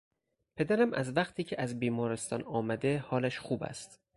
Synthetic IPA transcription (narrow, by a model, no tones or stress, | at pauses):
pʰe̞d̪æɾæmʔæzvæχt̪ʰiːcʰeʔæzbiːmɒːɾest̪ɒ̰ːnɒːmæd̪e̞hɒːlæʃxuːbæ̰st̪